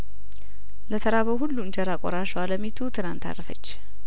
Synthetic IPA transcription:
lət̪ʰəɾaβəwɦulːuɨnd͡ʒəɾakʼɔɾaʃwaləmit̪ʰut̪ʰɨnant̪a̰rəfə̰t͡ʃː

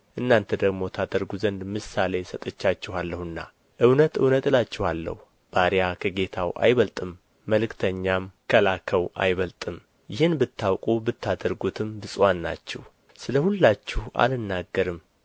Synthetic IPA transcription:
ʔɨnːant̪ʰəd̪əɡmo̞t̪ʰad̪əɾɡuzənd̪mɨsale̞sət̪ʼət͡ʃːat͡ʃːɛhalːəhɨnːa̰ | ʔɨwnət̪ɨ̰wnət̪ɨlat͡ʃːɛhalːə̰hu | b̥aɾijakʰəɡe̞t̪ʰawʔa̰jβəlt̪ʼɨmː | əlɨkt̪ʰəɲːamkʰəlakʰəwʔa̰jβəlt̪ʼɨm | jɪhɨnbɨt̪ʰːawkʼubɨt̪ːad̪əɾɡut̪ʰɨmbɨsʼwanːa̰t͡ʃːɛh | sɨləhulːat͡ʃːɛhʔa̰lɨnːaɡːəɾɨm

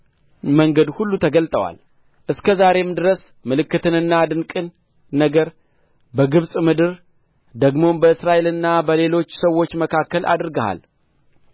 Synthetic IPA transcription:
məŋɡəd̪hulːut̪ʰəɡəlt̪ʼəwa̰l | ʔɨskʰəzaɾe̞md̪ɨɾəs | mɨlɨkːɨt̪ʰɨnɨnːad̪ɨnkʼɨnː | əɡəɾ | bəɡɨβsʼmɨd̪ɨɾ | d̪əɡmo̞mbəɨsɾaʔe̞lɨnːabəle̞lo̞t͡ʃːsəwːo̞t͡ʃːməkʰakːəlʔa̰d̪ɾɨɡəha̰l

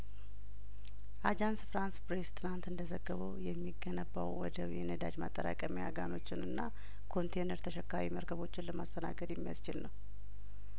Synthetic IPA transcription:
ʔad͡ʒansfɾanspɾest̪ʰɨnant̪ɨnd̪əzəɡːəβəwjɛmːiɡːənəbːa̰wwɔd̪əjɛnəd̪ad͡ʒmat̪ʼːəɾa̰kʼəmijaɡano̞t͡ʃːɪnɨnːa | kʰo̞nt̪ʰenəɾt̪ʰəʃɛkːawiməɾkʰəβo̞t͡ʃːɪnləmast̪ʰəna̰ɡəd̪jɛmːija̰st͡ʃɪlnəw

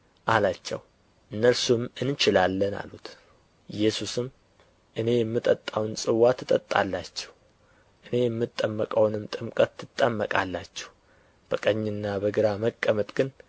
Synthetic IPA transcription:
ʔalat͡ʃːɛ̰w | ʔɨnːəɾsumɨnt͡ʃɪlalːəna̰lut̪ | jːɛsusɨm | ʔɨne̞jɛmːɨt̪ʼət̪ʼːawnsʼɨwat̪ʰːɨt̪ʼə̰t̪ʼːa̰lːat͡ʃːɛ̥w | ʔɨne̞jɛmːɨt̪ʼːəmːəkʼəwnɨmt̪ʼɨmkʼət̪ːɨt̪ʼːəmːəkʼalːat͡ʃːɛ̥w | b̥əkʼəɲːɨnːabəɡɨɾaməkʼːəmət̪ʼɡɨn

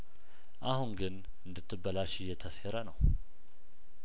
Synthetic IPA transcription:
ʔahuŋɡɨn | ɨnd̪ɨt̪ʰːɨbːəlaʃɪjɛt̪ʰəseɾənəw

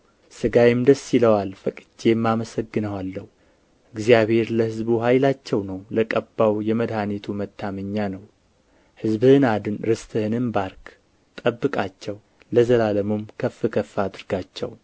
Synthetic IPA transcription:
sɨɡajɪmd̪əsːiləwalfəkʼɨd͡ʒemːaməsəɡːɨnəwalːəhu | ʔɨɡzijaβhe̞ɾləhɨzbuɦajlat͡ʃːɛwnəwləkʼəbːawjɛməd̪hanet̪ʰumət̪ʰːaməɲːanəw | hɨzbɨhɨnad̪ɨnɾɨst̪ʼʰɨhɨnɨnbaɾk | t̪ʼəbːɨkʼat͡ʃːɛw | ləzəlaləmomkʰəfːɨkʰəfːad̪ɨɾɡat͡ʃːɛ̰w

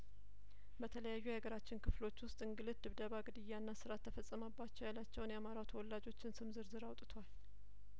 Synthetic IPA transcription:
bət̪ʰələjajːuaɡəɾat͡ʃːɪnkʰɨflo̞t͡ʃːwʊst̪ʼɨŋɡɨlɨt̪̚d̪ɨβd̪əβaɡɨd̪ɨjːanːasɨɾat̪ʰːəfəsʼəməbːat͡ʃːɛwjalat͡ʃːɛwnjɛamaɾawt̪ʰəwɔlːad͡ʒo̞t͡ʃːɪnsɨmzɨɾzɨɾawt̪ʼt̪ʰwal

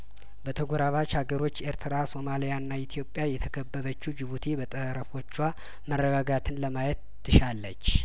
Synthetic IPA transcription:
bət̪ʰəɡʷoɾaβat͡ʃʰaɡəɾo̞t͡ʃːe̞ɾt̪ʰɨɾaso̞malijanːait̪ʰijo̞pʼːjajɛt̪ʰəkʰəbːəβət͡ʃːud͡ʒɪβut̪ʰebət̪ʼəɾəfo̞t͡ʃːwa | mərːəɡaɡat̪ʰɨnləmajɛt̪ːɨʃalːət͡ʃː

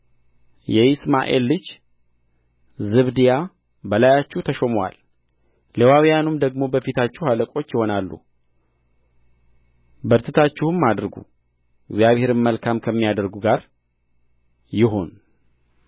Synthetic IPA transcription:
jɛɪsma̰ʔḛlːɨd͡ʒ | zɨβd̪ija | bəlajat͡ʃːuht̪ʰəʃomwa̰l | lewawjanumd̪əɡmo̞bəfit̪ʰat͡ʃːuwhaləkʼo̞t͡ʃːjɪho̞nalːṵ | bəɾt̪ʰɨt̪ʰat͡ʃːɪhɨmːad̪ɾɡṵ | ɪɡzjaβhe̞ɾɨnməlkʰamkʰəmːijad̪əɾɡuɡaɾ | jɪɦo̞n

